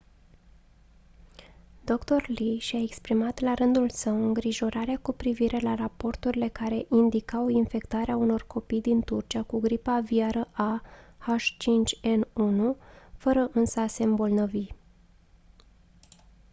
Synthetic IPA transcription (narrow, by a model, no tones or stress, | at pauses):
d̪o̞kt̪o̞rliʃae̞kspɾimat̪laɾɨnd̪ulsəwɨŋɡɾiʒo̞ɾaɾeakupɾiviɾe̞larapo̞rt̪uɾile̞kaɾe̞ʔind̪ikawinfe̞kt̪aɾeauno̞rko̞pijd̪int̪urt͡ʃiakuɡɾipaviaɾəʔahaʃt͡ʃint͡ʃʲe̞nunufəɾəʔɨnsase̞mbo̞lnəvi